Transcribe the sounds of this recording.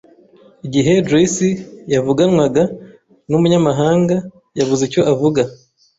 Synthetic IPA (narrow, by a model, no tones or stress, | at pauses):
iɟiɦe̞dɾesijavuɡanwaɡa | numuɲamaɦaːŋɡa | jaβuzeco̞ʔavuɡa